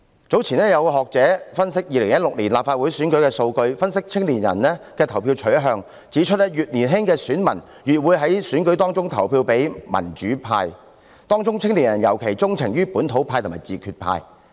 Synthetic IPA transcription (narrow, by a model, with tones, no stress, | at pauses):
t͡so˨˥wt͡sʰiː˨˩nɛː˥jɐ˨˧wkːɦɔː˨k̚t͡sɛː˨˥fɐ˥nsɪ˥k̚jiː˨˧lɪ˨˩ŋjɐ˥t̚lʊ˨k̚liː˨˩nlaː˨p̚faː˧t̚wu˨˥jsyː˨˥nkɵ˨˥ɥkɛː˧so˧wkɵ˧ɥfɐ˥nsɪ˥k̚t͡sʰɪ˥ŋli˨˩njɐ̰˨˩nːɛː˥kɛː˧t̪ʰɐ˨˩wpʰi˧wt͡ʃʰɵ˨˥ɥɦœː˨˧ŋ | t͡siː˨˥t͡ʃʰɵ˥t̚ɛ˥jyː˨t̚niː˨˩nɦɪ˥ŋkɛː˧syː˨˥nmɐ˨˩n | ɥyː˨t̚wuː˨˧jɦɐ˨˥jsyː˨˥nkɵ˨˥ɥt̪ɔː˥ŋt͡sʊ˥ŋt̪ʰɐ˨˩wpʰiː˧wpe˨˥jmɐ̰˨˩nt͡ʃyː˨˥pʰa̰ː˧j | t̪ɔː˥ŋt͡sʊ˥ŋt͡sʰɪ˥ŋliː˨˩njɐ˨˩njɐ̰˨˩wkʰe˨˩jt͡sʊ˥ŋt͡sʰɪ˨˩ŋjyː˥puː˨˥nt̪ʰo˨˧˥wpʰaː˧jt̪ʰma̰ː˨˩jt͡siː˨kʰy˧t̚pʰa̰ː˧j